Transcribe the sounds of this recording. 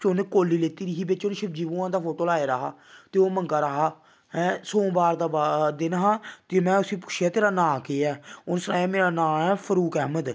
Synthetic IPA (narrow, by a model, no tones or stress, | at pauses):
t͡ʃʊnkoːliːleːt̪iːɾiɦiːbɪt͡ʃʊnʃɪb̚d͡ʒiːʋũːãːd̪aːfʰoːʈoːlaːeːɾəɦa̰ːt̪eːoːməŋɡaːɾəɦaː | ɦɛ̃ːsõːbaːɾd̪aːbad̪ɪnɦãːt̪eːmɛ̃ːʊsĩːpʊ̥ʃʰjaːt̪eːɾaːnãːkeːɛːʊnsəɾa̰ːaːmeːɾaːnãːɛːpʰəɾuːkɛːməd̪